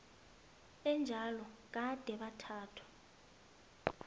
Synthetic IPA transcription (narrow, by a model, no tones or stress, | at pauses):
ɛnd͡ʒʱalɔk̬ad̥ʱɛɓatʰaːtʰwḁ